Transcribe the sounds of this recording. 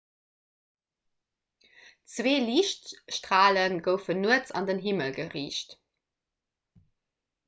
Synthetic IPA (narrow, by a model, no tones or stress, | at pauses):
t͡sweːliːʃtʃtʁaːlənɡəʊfənuət͡sɑ̰ndənɦiməlɡəʁiːɕt